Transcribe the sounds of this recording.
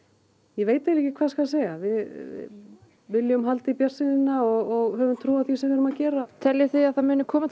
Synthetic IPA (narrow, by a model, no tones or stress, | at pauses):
jɛveːjt̪aliːhcɪkʰvaːskvaðseːjɣavɪ | vɪlːjʏmɦalt̪ɪipjar̥sɪðɪnaɔɣɔɣɦœːvʏmt̪ʰɾuːaðθjisɛvɪɾʏmacɛːɾat̪ʰɛljɪθiaðθaðmʏːnʏkʰɔːmat̪ʰ